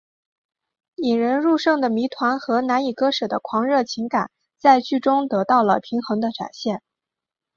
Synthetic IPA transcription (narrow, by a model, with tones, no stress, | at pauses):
i˨˩ɻə˧˥nɻu˥˧ʂɤ˥˩ŋd̪ə˩mi˧˥t̪ʰwa˧˥nxɤ˧˥na˧˥ni˨˩kɤ˥ʂɤ˨˩d̪ə˦kʰwɑ˧˥ŋɻɤ˥˩t͡ɕʰi˧˥ŋka˨˩˦n | t͡sa˥˧ɪt͡ɕy˥˩ʈ͡ʂʊ˥ŋt̪ɤ˧˥t̪ɑ˥˩ʊlə˩pʰi˧˥ŋxɤ˧˥ŋd̪ə˧ʈ͡ʂa̰˨˩nɕjɛ˥˩n